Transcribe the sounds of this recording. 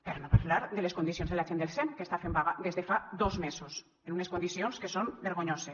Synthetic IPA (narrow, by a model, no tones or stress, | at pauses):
peɾnopaɾlaɾd̪eleskond̪isjonzðelaʒend̪elsɛnkest̪afembaɣaðezðefad̪ozmesos | enuneskond̪isionskesombeɾɣoɲose